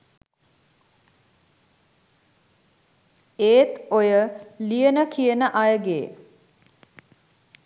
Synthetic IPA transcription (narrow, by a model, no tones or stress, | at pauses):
eːt̪ojəlijənəkʰijənəʔajəɡḛː